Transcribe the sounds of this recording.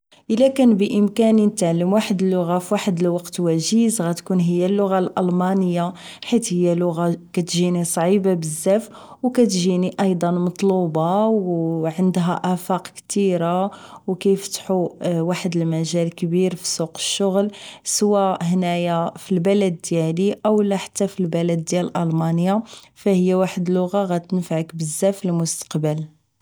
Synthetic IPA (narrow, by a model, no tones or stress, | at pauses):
ʔəlːækænbəʔəmkæninət̪ʕalːəmwaħəd̪əlːʊɣafiwaħəd̪əlwɑqt̪wæʒizɣæt̪kunɦəjːælːʊɣalʔɑlmɑnəjːa | ħit̪həjːælʊɣakæt̪ʒinisˤʕibabəzːæf | wkæt̪ʒiniʔɑjd̪ˤɑnmɑt̪ˤlubɑwʕənd̪ɦæʔæfɑqkt̪iɾawkæjəft̪ħuwaħəd̪əlmæʒælkbiɾfi̥suqə̥ʃːʊɣlsəwæhnæjafilbæləd̪ːjæliʔəwlːæħḁt̪ːæfilbæləd̪ːjællʔɑlmɑnəja | fæhəjːæwaħəd̪lʊɣaɣæt̪ənfaʕəkbəzːæfəlmʊst̪ə̥qbəl